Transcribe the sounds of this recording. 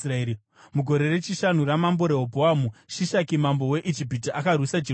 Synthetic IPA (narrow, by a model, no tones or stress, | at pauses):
rai | muɡʱo̞ɾe̞ret͡ʃiʃan̤uramambo̞ɾe̞ɦobʱoamuʃiʃakimambo̞we̞ʔid͡ʒip̬itiʔakarwisad͡ʒi